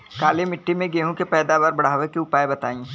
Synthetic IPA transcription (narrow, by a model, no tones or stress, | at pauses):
kaːlemɪʈːimẽɡeːɦũkepɛːd̪aːbaːɾbɐɽ̤aːʋekiʊpaːjbɐt̪a̰ːĩ